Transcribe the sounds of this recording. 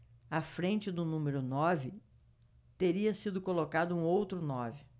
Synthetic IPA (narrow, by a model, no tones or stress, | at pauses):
ɐfɾẽnt͡ʃɪd̪ʊnũmeɾʊnɔvɪ | t̪eɾiɐsid̪ʊkolokad̪ʊũowt̪ɾʊnɔvɪ